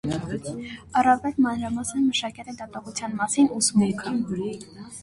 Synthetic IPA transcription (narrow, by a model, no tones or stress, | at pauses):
ɑrɑvɛlmɑnɾɑmɑsənməʃɑkɛt̪ɛd̪ɑt̪ɑʁut͡sʰjɑnmɑsinusumɛkʰɑ